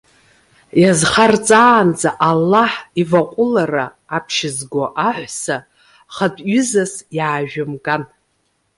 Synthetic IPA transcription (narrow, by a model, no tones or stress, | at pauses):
jazχart͡sʼaːnd͡zʼaʔalːaħivaqʷʼʊlaraː | pʰʃɪzɡʷoʔaħʷsa | χadʼɥʏzasjaːʒᶣʊmɡʼan